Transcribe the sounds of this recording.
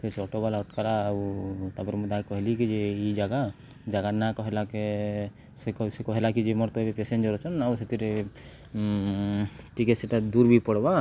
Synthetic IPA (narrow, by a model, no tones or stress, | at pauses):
pʰeɾseɔʈɔbalaɔʈkaɾaːwt̪abɔɾmud̪akɔɦɛlikid͡ʒeid͡ʒaɡa | d͡ʒaɡanakɔɦɛlake | sesɛkɔɦɛlakid͡ʒemɔɾt̪ɔebepesend͡ʒɔɾɔt͡ʃʰɔnawset̪iɾe | ʈikesɛʈad̪uɾbʱipɔɽba